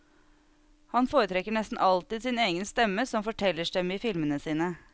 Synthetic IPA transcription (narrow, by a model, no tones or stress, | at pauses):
hɑnfoːɾət̪ʰɾɛkːəɳɛst̪n̩ʔɑlt̪ɪːd̪sɪneːɡənst̪ɛmːəsɔmfɔʈʰɛlːəʂɖɛmiːfɪlmənəsiːnə